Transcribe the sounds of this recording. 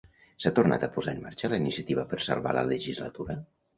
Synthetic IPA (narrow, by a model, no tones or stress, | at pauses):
sat̪urna̰t̪əpuzaəmmaɾt͡ʃələinisiət̪iβəpəɾsa̰lˠβa̰lə̰ləʒizlə̰t̪uɾə